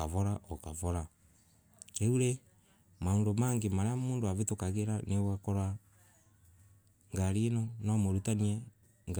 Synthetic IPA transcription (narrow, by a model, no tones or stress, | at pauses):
aβɔɾaokaβɔɾa | euɾe | maondomaŋɡemaɾeamoːndoaβetokaɣeɾanewakɔɾwa | ŋɡaɾinɔnamoɾutaniɛ | ŋ